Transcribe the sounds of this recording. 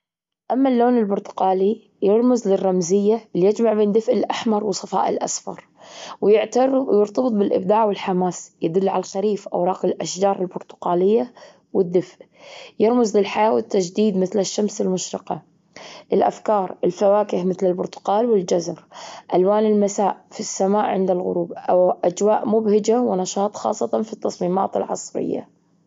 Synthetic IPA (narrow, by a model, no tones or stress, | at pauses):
ʔamːalːoːnɪlbʊɾt̪ʊ̥qɑːli | jɪɾˤmʊzlɪrˤːɑmzɪjːalijɪd͡ʒmaʕbeːnd̪ɪfʔɪlʔaħmɑɾˤwɨsˤɑfɑ̰ːʔɪ̰lʔa̰sfɑ̰ɾˤ | wjɪʕt̪ɾjɪɾt̪ˤɑbɨt̪̚ˤbɪlʔɪbd̪aːʕwɪlħamaːsjɪd̪ʊlːʕa̰lalxaɾiːfʔa̰wɾˤɑːqɪlʔaʃd͡ʒɑːɾˤɪlbʊɾt̪ʊ̥qɑːlɪjːa | wɪd̪ːɪfʔ | jɪɾmʊzlɪlħajaːwɪt̪ːad͡ʒd̪iːd̪mɪθlɪʃːamsɪlmʊʃɾɪqɑ̰ | ʔɪlʔa̰fkɑːɾˤɪlfawaːkɪhmɪθlɪlbʊɾt̪ʊ̥qɑːlwɪld͡ʒazɾˤʔalwaːnɪlmasaːʔfisːamaːʔʕɪ̰nd̪alɣʊ̰ɾuːbʔaʔad͡ʒwaːʔmʊbhɪd͡ʒawɪnɑʃɑːt̪ˤxɑ̰ːsˤːɑt̪ɑnfit̪ːɑsˤmiːma̰ːt̪ɪ̰lʕɑ̰sˤɾɪ̰jːa̰